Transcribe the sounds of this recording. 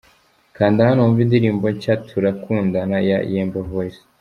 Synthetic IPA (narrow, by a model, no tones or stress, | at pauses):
kaːndahanuːɱvindiɾiːmboɲcatʰuɾakʰuːndanaja̰jeːmbaɦosi